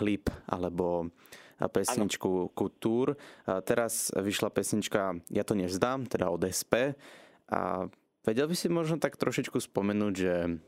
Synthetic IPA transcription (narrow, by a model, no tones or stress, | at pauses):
xlipʔa̰lɛbɔ | pɛsɲit͡ʃkukut̪uːɾt̪ɛɾazʋiʃlapɛsɲit͡ʃkajat̪ɔɲɛzd̪aːmt̪ɛd̪aɔd̪ɛspɛ | ʔa̰ | ʋɛɟɛlbisimɔʒnɔt̪akt̪ɾɔʃit͡ʃkuspɔmɛnuːɟʒɛ